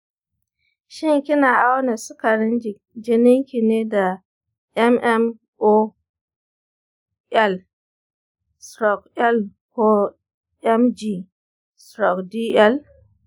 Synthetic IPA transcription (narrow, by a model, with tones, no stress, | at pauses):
ʃi˦ŋ˨ki˦na˨a˦wna˨si˦ka˨ɾi˦nd͡ʒi˨ | d͡ʒe˨ni˦ŋki˨ne˦da˨ | ɛ˦mʔɛ˦m | o˦ | ɛ˦˨l | sɾo˨kɛ˦l | ko˦ | ɛ˦md͡ʒi˨ | sɾo˨kdi˦ɛ˦l